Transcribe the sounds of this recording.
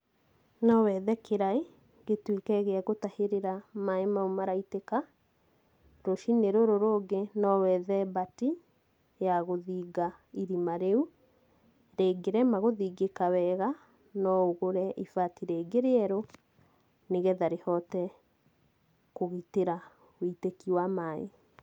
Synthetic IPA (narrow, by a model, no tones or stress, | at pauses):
nɔwɛðɛkeɾai | ɡetwekɛɣeaɣotaheɾeɾamaemaumaɾaiteka | ɾoʃineɾoɾoɾoːɡenɔwɛðɛbati | jaɣoðiːɡaiɾimaɾeu | ɾeːɡeɾɛmaɣoðiɡekawɛɣa | nɔoɣoɾɛʔifatiɾeːɡeɾeɛɾo | neɣɛðaɾehɔtɛ | koɣiteɾa | witekiwamaḛ